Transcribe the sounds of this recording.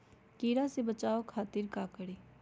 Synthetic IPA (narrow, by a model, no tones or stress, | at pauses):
kiːɾasebət͡ʃaːokʰaːt̪ɪɾkaːkəɽeː